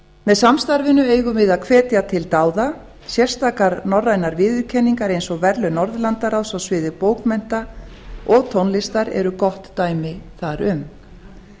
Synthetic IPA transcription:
mɛðsamst̪aɾvɪnʏeːjɣʏmɪðaðkʰvɛːt̪jat̪ʰɪlt̪aːwða | sjɛr̥st̪ʰaːkaɾnɔrːajnaɾvɪːðʏɾcʰɛnːiŋkaɾejnsɔɣvɛɾlʏnɔɾðlant̪aɾawsawsvɪːðɪpoːwkmɛn̥t̪a | ʔɔɣt̪ʰownlɪst̪aɾɛ̰ɾʏkɔht̪ːaːjmɪθaɾʏm

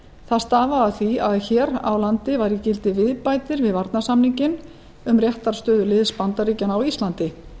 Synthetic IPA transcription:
θaðst̪aːvaaθviaðçɛːɾa̰wlant̪ɪvaɾicɪlt̪ɪvɪðpajt̪ɪɾvɪðvaɾt̪nasamniɲcɪn | ʏmrjɛht̪aɾ̥st̪œːðʏlɪðspant̪aɾiːcanawist̪lant̪ɪ

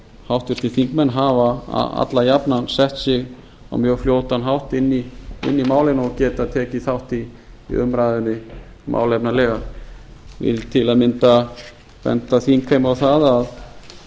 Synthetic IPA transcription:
hawht̪vɪɾ̥t̪ʰɪθiŋkmɛnːɦava̰a̰t̪lajapnansɛht̪sɪɣ | a̰wmjœːfljoːwt̪anɦawht̪ɪnːiɪ̰nːimaːwlɪnɔɣcɛːt̪at̪ʰɛːcɪθawht̪iːʏ̰mɾaːjðɪnːɪ | mʔa̰ːwlɛpnalɛːɣa | vɪ̰ðt̪ʰɪlaðmɪnt̪a | vɛ̰nt̪aθinkʰejmawθaðað

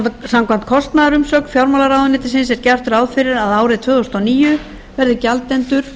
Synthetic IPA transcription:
t̪samkʰvan̥t̪̚kʰɔst̪naðaɾʏmsœːkn̥fjawɾmalaɾawðʏnɪːt̪ɪ̥sɪnsɛɾcar̥t̪ʏɾaːwðfɪɾɪɾaðaːwɾɪt̪ʰvœːðɔst̪ɔniːjʏ | vɛɾðɪcalt̪ɛnt̪ʏɾ̥

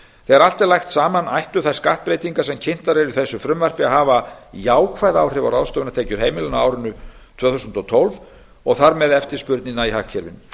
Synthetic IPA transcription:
θɛɛɾalt̪aɾlajxt̪saːmanajht̪ʏθḁskaht̪̚pɾeːjt̪iŋkasɛmcʰɪn̥t̪aɾɛɾʏθɛsːʏfɾʏmvar̥pɪaɦaːvajaːwkʰvajðaːwr̥ɪvaɾawðst̪ɔːvɪnat̪ʰeːjcʏɾ̥ɦejmɪlʏnaaːwɾʏnːʏ | t̪ʰvœːθusʏnt̪ɔt̪ʰɔlv | ɔɣθaɾmɛðɛft̪ɪɾ̥spʏɾt̪ninːaiɦacʰːɛɾvɪ̰nːʏ

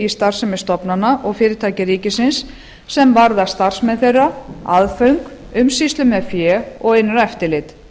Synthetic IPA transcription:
ist̪ar̥sʏmɪst̪ɔpnanːaʔɔɣfɪːɾɪ̥t̪ʰaːjcɪɾiːcɪsɪnsː | ɛmvaɾðḁst̪ar̥smɛðθejrːaaðfœɥŋkʏmsist̪lʏmɛðfjɛːɔɣɪjnːʏɾɛft̪ɪlɪt̪

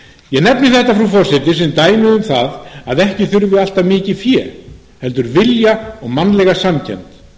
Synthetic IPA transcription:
jɛɣnɛpnɪθɛht̪afɾafɔr̥sɪt̪ɪsɛmt̪aːjmɪðʏmθa̰ðaðɛhcɪθʏɾvɪal̥t̪avmɪːcɪfjɛː | hɛl̪t̪ʏɾvɪljaɔɣmanlɛɣasamcʰɛ̰nt̪

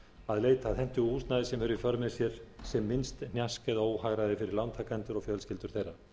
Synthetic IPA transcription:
aðleːjt̪aːθɛn̥t̪ʏɣuːst̪naðɪsɛmhɛɾʏifœɾmɪsjɛɾ̥sɛmːɪnst̪n̥jaskɛðoːwhaɣɾaðɪfɪɾɪɾlant̪ʰakʰant̪ʏɾɔɣfjœlscɪlt̪ʏɾ̥θejɾa

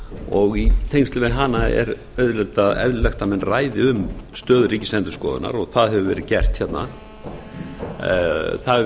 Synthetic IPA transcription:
ɔɣit̪ʰejnsɪvenɦanːaɛ̰ɾ | œɥðlɛlt̪aðɛ̰ðlʏlɛxt̪amɛnːraːjðɪʏmst̪œːðʏriːcɪslɛnt̪ʏ̥skɔːðʏ̰na̰ɾɔɣθaðɦɛvʏvɛːɾɪðcɛr̥t̪çɛt̪na̰ | θa

